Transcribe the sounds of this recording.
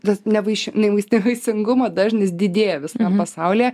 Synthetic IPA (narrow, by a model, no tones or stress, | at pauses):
tɐnʲɛʋɐɪʃʲɪnʲɛʋɐɪsʲnʲɛʋɐɪsʲɪŋɡʊmɐd̪ɐːʒʲnʲɪsd̪ʲɪd̪ʲeːjɛʋʲɪst̪ɐmpɐsɐʊlʲeː